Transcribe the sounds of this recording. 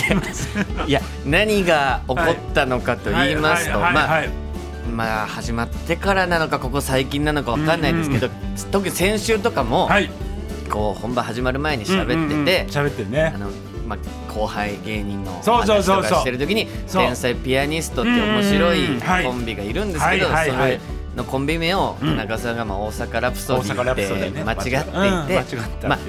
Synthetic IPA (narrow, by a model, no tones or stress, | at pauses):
ija | naɲ̟iɡao̞ko̞t̪ːano̞kat̪o̞iːmasɨ̥t̪o̞maː | mahaʑimat̪ːe̞kaɾanano̞kako̞ko̞saikʲĩnːano̞kaβakãnːaĩd̪esɨ̥ke̞d̪o | t̪o̞k̬ɯ̟ɲisẽ̞ɰ̃ɕɨːt̪o̞kamo̞haiko̞ːhõmbãhaʑimaɾɯ̟mae̞ɲ̟iɕabe̞t̪ːe̞t̪e̞ɕabet̪ːeneano̞ | ma | kʰo̞ːhaiɡe̞ːɲ̟ĩnːo̞̰soːaookaɕit̪e̞ɾɯ̟t̪o̞kʲiɲ̟isẽ̞ɰ̃saipʲiaɲ̟isɨ̥t̪o̞t̪ːeommo̞ɕiɾo̞ikõ̞mbʲiɡaiɾɯ̟̃nd̪esɨked̪o̞so̞ɾe | no̞kõ̞mbʲimẽ̞oanaɡasãŋɡamaoːsakaɾapɯ̟̥soɾt̪ːemat͡ɕiɡat̪ːeit̪ːe̞ | ma